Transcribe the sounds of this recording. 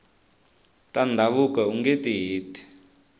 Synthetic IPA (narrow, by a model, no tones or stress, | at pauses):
tandʱaβukauŋɡetiɦeːti̥